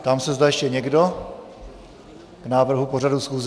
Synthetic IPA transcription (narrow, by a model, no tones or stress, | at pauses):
t̪amsɛzdajɛʃcɛɲɛɡdo | ɡ̥naːvr̩ɦupo̞radusxuːz